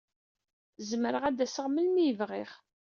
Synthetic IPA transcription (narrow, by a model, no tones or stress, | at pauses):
zməɾəʁæd̪æsəʁməlmiəvʁiχ